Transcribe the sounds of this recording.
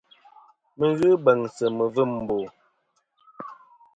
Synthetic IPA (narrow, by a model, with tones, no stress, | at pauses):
mə˨ɣɨ˦bɛ˨ŋsə˨mə˨və˦˨m˨boː˨